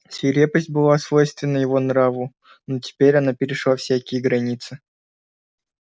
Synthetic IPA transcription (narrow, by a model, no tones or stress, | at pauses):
sʲɪɾʲe̞pəsʲt̚ʲbɨlˠasvo̞jst̪vʲɪnəjɪvo̞nɾavʊ | notʲɪ̥pʲeɾʲɐnapʲɪɾʲɪʂlˠafsʲækʲɪjəɡɾɐnʲit̪sɨ